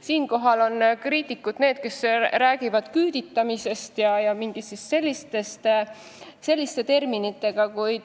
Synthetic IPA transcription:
siːnko̞ɦɑlo̞nkriːt̪ikːˑud̪̥ne̞ːd̪̥̚ke̞sræːɡ̥ivɑd̪̥kyːd̪̥it̪ːˑɑmise̞st̪jɑjɑmiŋɡ̥isistse̞lʲːist̪e̞st̪ | se̞lʲːist̪e̞t̪e̞rminit̪ːˑe̞ɡ̥ɑkujd̪̥

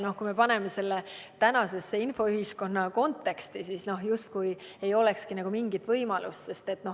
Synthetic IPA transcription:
no̞hkume̞pɑne̞me̞se̞lːet̪ænɑse̞sːeinfo̞yɦisko̞nːɑko̞nt̪ːˑe̞kst̪isisno̞ɦjust̪̚kuje̞jo̞le̞kskinɑɡ̥umiŋɡit̪vɤjmɑlust̪se̞st̪e̞t̪ːˑno̞

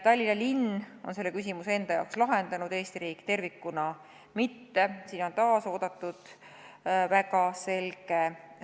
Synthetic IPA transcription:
t̪ɑlʲiɑlinːo̞̰nse̞lːe̞kys̬ʲimusee̞nd̪̥ɑjɑ̰wkslɑɦe̞nd̪̥ɑnud̪e̞ːst̪iɾiːkːˑt̪e̞rvikːunɑ | mit̪ːe̞siːno̞nt̪ɑːso̞ːd̪̥ɑt̪ːˑud̪̥ | væɡɑse̞lɡ̥e̞

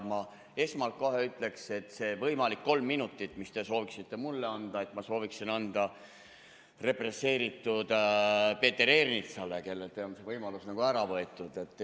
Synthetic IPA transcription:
mɑ | e̞smɑlt̪̚ko̞ɦeyt̪ːˑle̞kse̞t̪ːˑse̞vɤjmɑlikːo̞lmːinut̪ːˑit̪ːˑmist̪e̞so̞ːviksit̪ːe̞mulːe̞ɑnd̪̥ɑe̞t̪mɑso̞ːviksinɑnd̪̥ɑ | re̞pre̞sːe̞ːɾit̪ːˑud̪̥pe̞ːt̪ːˑe̞ɾe̞rnit̪sɑle̞ke̞lːelt̪eonse̞vɤjmɑlusnɑɡ̥uæɾɑvɤet̪ːˑud̪̥e̞t̪ˑː

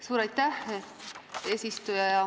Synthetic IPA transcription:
suːɾɑjt̪ːæh | eːsʲist̪ujɑjɑ

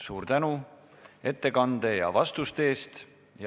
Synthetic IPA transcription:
suːɾt̪ænu | e̞t̪ːe̞kɑnd̪̥e̞jɑ̰vɑst̪ust̪e̞ːst̪ | j

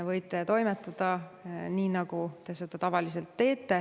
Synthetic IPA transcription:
vɤjt̪ːˑet̪o̞jmet̪ːˑɑd̪̥ɑniːnɑɡ̥ut̪e̞se̞d̪̥ɑt̪ɑvɑlise̞lt̪ːe̞ːt̪ːe̞

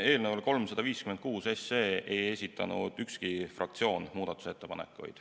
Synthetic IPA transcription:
e̞ːlnevɑlko̞lmsɑd̪̥ɑviːskymed̪̚kuːse̞se̞ːʔeje̞sʲit̪ːˑɑ̰nṵd̪̥ykskifrʔɑ̰kt̪sio̞ːnmuːd̪̥ɑt̪ːˑu̥se̞t̪ːe̞pɑnḛkːˑṵjd̪̥

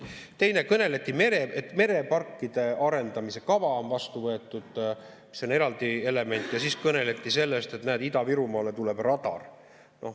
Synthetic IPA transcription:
t̪e̞jne̞kɤne̞let̪ːˑime̞ɾeʔet̪ːˑme̞ɾe̞pɑrkːˑid̪̥e̞ɑɾe̞nd̪ɑmise̞kɑvɑonvɑst̪uvɤe̞t̪ːˑud̪̥ | mi̥so̞ne̞ɾɑld̪̥ie̞le̞me̞nʲt̪ːˑjɑsiskɤne̞let̪ːˑise̞lːe̞st̪et̪næːd̪id̪ɑviɾumɑːlet̪ule̞b̥rɑd̪̥ɑ̰r | nʔo̞̰

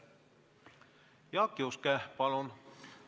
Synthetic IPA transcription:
jɑkːiuskæpɑlun

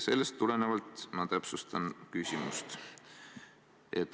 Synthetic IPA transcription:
se̞lːe̞st̪ːule̞ne̞vɑlt̪ˑmɑt̪æpsust̪ɑnkysʲimust̪ | e̞t̪ːˑ

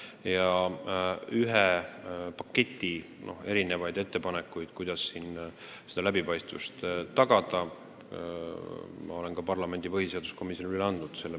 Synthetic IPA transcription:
jɑ | yɦepɑkːe̞t̪ʲːˑi | no̞̰he̞ɾine̞vɑjd̪e̞t̪ːe̞pɑnekːˑujd̪̥kujd̪̥ɑsːin | se̞d̪̥ɑlæbipɑjst̪vṵst̪t̪ːɑɡ̥ɑd̪̥ɑ | mɑ̰o̞le̞nkɑpɑrlɑme̞nʲd̪ipɤhiseɑd̪usko̞misːionilyleɑnd̪nud̪̥se̞lːe

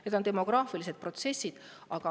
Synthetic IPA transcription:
net̪o̞nt̪emo̞ɡ̥rɑːfilis̬e̞d̪̚pro̞t̪se̞sʲːid̪̥ɑɡ̥ɑ

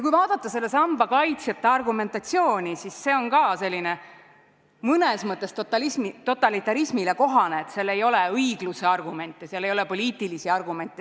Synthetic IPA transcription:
jɑkujvɑːd̪̥ɑt̪ˑːɑse̞lːe̞sɑmb̥ɑkɑjt̪sjɑt̪ːˑeɑrɡume̞nt̪ɑt̪sijo̞ːnʲisisːe̞o̞nkɑːse̞lʲːine̞ | mɤnesmɤt̪ˑːe̞st̪ot̪ːɑlismit̪o̞t̪ːˑɑlit̪ːˑɑɾismileko̞ɦɑneːt̪selːe̞jo̞leɤiɡ̥luse̞ɑrɡume̞nʲt̪ˑːeseɑlːejo̞lepo̞lʲiːt̪ːˑilisiɑrɡume̞nt̪ˑːe

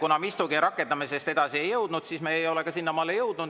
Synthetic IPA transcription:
kunɑmist̪uɡiɾʔɑkːˑe̞nd̪ɑmese̞st̪e̞d̪ɑsie̞jːɤwd̪̥nud̪̥siːsmeejo̞leɡɑsinːɑmɑlːejɤwd̪nud̪̥

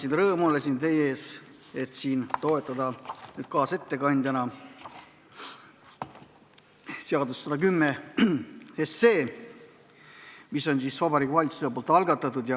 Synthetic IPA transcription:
sinrɤːmulesint̪e̞jee̞ːs | e̞t̪ˑsiːnt̪o̞et̪ːˑɑd̪ɑnyːd̪̥̚kɑːse̞t̪ːe̞kɑnʲd̪jɑnɑ | seɑd̪ussɑd̪ɑkymːe | esːe̞ː | miso̞nsisvɑbɑɾiːkuvɑlit̪su̥seepolt̪ˑɑlɡɑt̪ːˑɑt̪ːˑud̪̥jɑ

